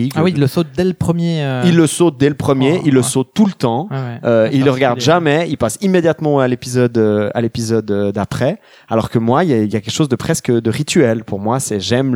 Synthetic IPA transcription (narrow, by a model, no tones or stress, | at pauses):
awilːəsot̪̚d̪ɛləpχəmjeøilːəsot̪̚d̪ɛləpχəmjeʔilːəsot̪ːulət̪ɑ̃øilːəʁəɡaʁd̪ʒamɛilpasimːed̪jat̪mɑ̃alepizɔd̪øa̰lepizɔd̪ød̪apχɛ | alɔʁkəmwailɛiljakʲɛkʃozd̪əpχɛskəd̪əʁit̪ɥɛlpʰuʁmwasɛʒɛm